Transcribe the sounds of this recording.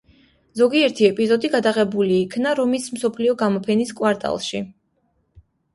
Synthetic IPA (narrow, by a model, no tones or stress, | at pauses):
zɔɡiɛɾt̪ʰiɛpʼizɔd̪iɡad̪aʁɛbuliːkʰnaɾɔmism̩sɔpʰliɔɡamɔpʰɛniskʼwaɾt̪ʼa̰lˠʃi